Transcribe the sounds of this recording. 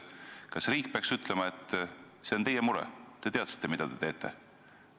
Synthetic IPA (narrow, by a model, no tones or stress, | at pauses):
kɑsriːk̚peɑksyt̪ˑlemɑe̞t̪ːˑ | se̞ot̪e̞jemuɾɛ̰t̪ːe̞t̪e̞ɑt̪si̥t̪ːˑemid̪̥ɑd̪̥e̞t̪e̞ːt̪ˑːe̞̰